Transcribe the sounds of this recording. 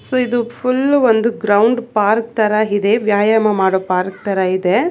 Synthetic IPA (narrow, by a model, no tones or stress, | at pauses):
soːid̪upʰulʋond̪uɡɾɐwɳɖpaːɾk̚t̪ɐɾɐid̪eʋjaːjɐmɐmaːɽopaːɾk̚t̪ɐɾɐid̪e